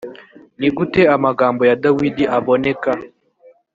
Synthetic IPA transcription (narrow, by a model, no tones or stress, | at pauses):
niɡutɛamaɡaːmbɔjadawidiʔaβɔnɛka